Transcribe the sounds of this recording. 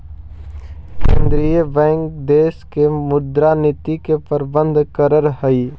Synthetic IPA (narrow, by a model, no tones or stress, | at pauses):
kẽːnd̪ɾijəbɛ̃ːŋkd̪eːskemʊd̪ɾanit̪ikepəɾbə̃nd̪ʱkəɾəɾɦəi